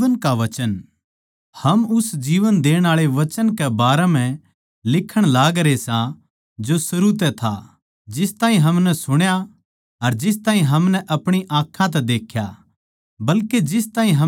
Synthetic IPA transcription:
ənkaʋɐt͡ʃən | hɐmʊsd͡ʒiːʋənd̪eːɽ̃aːɭeʋɐt͡ʃənkɛbaːɾɛm̤ɛ̃ | lɪkʰːəɽ̃laːɡɾesã | d͡ʒosʊɾut̪ɛt̪ʰa̰ | d͡ʒɪst̪aːɦĩɦɐmnɛsʊɽ̃ja | ɐɾd͡ʒɪs̬t̪ãːɦĩɦɐmnɛʔɐpɽ̃iʔãːkʰːãt̪̬ɛd̪eːkʰja̰ | bɐlked͡ʒɪst̪ãːɦĩɦɐ

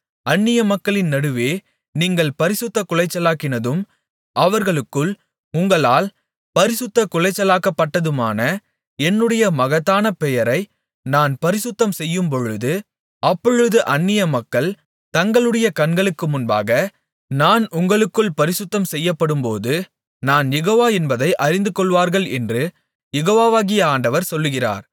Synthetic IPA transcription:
ɐnːɪjɐmɐkːɐɭɪnnɐɽɯʋeː | niːŋɡɐɭpɐɾɪsɯt̪ːɐkʊlɐɪt͡ʃːɐlaːkɪnɐðɯm | ʔɐʋɐɾɣɐɭɯkːɯɭ | ʊŋɡɐɭaːl | pɐɾɪsɯt̪ːɐkʊlɐɪt͡ʃːɐlaːkɐpːɐʈːɐðɯmaːnɐ | ɛnːɯɽɐjɐmɐɣɐt̪ːaːnɐpɛjɐɾɐɪ | naːnpɐɾɪsʊt̪ːɐmsɛjːɯmpɔɻɯðɯ | ʔɐpːɔɻɯðɯʔɐnːɪjɐmɐkːɐɭ | t̪ɐŋɡɐɭɯɽɐjɐkɐɳɡɐɭɯkːɯmʊnba̰ːɣɐ | naːnʊŋɡɐɭɯkːɯɭpɐɾɪsɯt̪ːɐmsɛjːɐpːɐɽɯmpo̰ːðɯ | naːnjɛɣoːʋaːɛnbɐðɐɪʔɐɾɪnd̪ɯkɔɭʋaːɾɣɐɭɛndrɯ | jɛɣoːʋaːʋaːɣɪjɐaːɳɖɐʋɐɾsɔlːɯɣɪra̰ːɾ

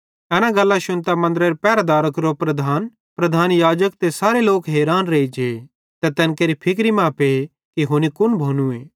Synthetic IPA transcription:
ɛːnãɡɐlːaʃʊnt̪amɐ̃nd̪əɾeɾpɛːɾad̪aːɾəkɾopɾɐd̪ʱaːn | pɾɐd̪ʱaːnjaːd͡ʒəkt̪esaːɾeloːkɦeːɾaːnɾeit͡ʃe | t̪ɛt̪ɛːnkeːɾipʰɪk̬ɾimãːpe | kiɦonikʊnbʱoːnueː

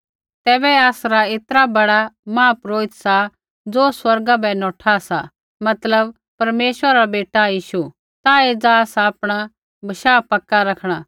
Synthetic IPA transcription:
t̪ɛːbɛaːsɾaeːt̪ɾabɐɽamãːpɾoːɪt̪sa | d͡zoːswɐɾɡabɛnɔːʈʰasa | mɐt̪ləb | pɐɾmeːʃwəɾaɾabeːʈajiːʃu | t̪aed͡zaːsaːpɽ̃a | bɐʃaːpɐkːaɾɐkʰɽ̃aː

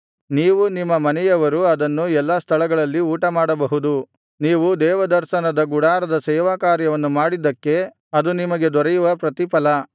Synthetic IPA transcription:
niːʋunimːɐmɐnɛjɐʋɐɾuɐd̪ɐnːuɛlːaːst̪ʰɐlɐɡɐɭɐlːiuːʈɐmaːɽɐbɐɦud̪u | niːʋud̪ɛːʋɐd̪ɐɾʃɐnɐd̪ɐɡuɽaːɾɐd̪ɐsɛːʋaːkaːɾjɐʋɐnːumaːɽid̪ɐkːe̞ | ɐd̪unimɐɡe̞d̪ɔɾɐjuʋɐpɾɐt̪ipɐlɐ

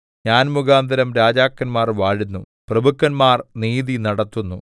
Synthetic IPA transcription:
ɲaːnmuɡaːnd̪ɐɾɐmɾaːd͡ʑaːkːɐnmaːrʋaːɻinːu | prɐbukːɐnmaːrniːðinɐɽɐt̪ːunːṵ

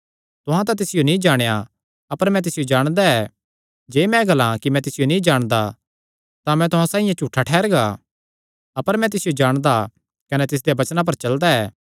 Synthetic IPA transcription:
t̪ʊɦãt̪̬ãt̪̬ɪsɪjonĩːd͡ʒaːɽ̃ja | ɐpəɾmɛ̃t̪ɪsɪjod͡ʒaːɽ̃d̪aɛ | d͡ʒeːmɛ̃ɡɐlãkimɛ̃t̪ɪsɪjonĩːd͡ʒaːɽ̃d̪a | t̪amɛ̃t̪ʊɦãsaːĩjãt͡ʃuːʈʰaʈʰɛːɾɡa | ɐpəɾmɛ̃t̪ɪsɪjod͡ʒaːɽ̃d̪a | kɐnɛt̪ɪs̬d̪ejbɐt͡ʃnãp̬ɐɾt͡ʃɐld̪aɛː

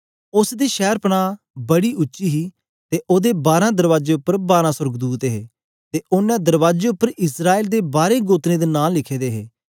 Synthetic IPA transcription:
ʊsd̪iːʃɛːɾpəɽaː | bəɽiːʊːʃiːɦiː | t̪eːʔoːd̪eːbaːɾãːd̪əɾʋaːd͡ʒeːʊpːəɾbaːɾãːsəɾɡd̪uːt̪ɦeː | t̪eːʊnɛ̃ːd̪əɾʋaːd͡ʒeːʊpːəɾɪsɾaːeːld̪eːbaːɾeːɡoːt̪nẽːd̪eːnaːlɪkʰeːd̪eːɦeː

